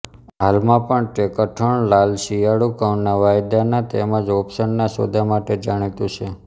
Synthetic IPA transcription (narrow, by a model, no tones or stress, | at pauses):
ɦalmãpəɳʈekəʈʰəɳlalʃijaɽukanːaʋajd̪janat̪emə̃d͡ʒɔpsənːaso̰d̪ʱamaʈed͡ʒaɽ̃it̪ũt͡ʃʰe